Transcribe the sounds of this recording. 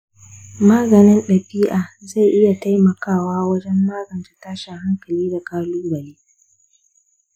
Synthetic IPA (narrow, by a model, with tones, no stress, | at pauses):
maː˦ɡɐ˨nɪ˦nɗɐ˨ɸiː˦ʔaː˨za˦˨jʔɪ˦ja˨ta˦jmɐ˨kaː˦˨waː˦wɐ˦d͡ʒɛ˦mːaː˦ɡɐ˨nta˨taː˦ʃa˨ha˦ŋkɐ˨liː˦da˨kaː˦luː˦bɐ˨leː˦